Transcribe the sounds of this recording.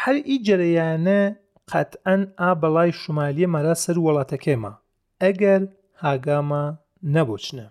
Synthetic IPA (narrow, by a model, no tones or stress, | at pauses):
hɐɾid͡ʒɐɾɐjaːne | qʰɐ̰t̪ʔɐnaːbɨlˠaːjʃʊmaːlijemaɾaːsɐɾwɨlˠɑːt̪ʰɐkʰema̰ː | ɐɡɐɾ | haːɡaːmaː | nɐboːt͡ʃne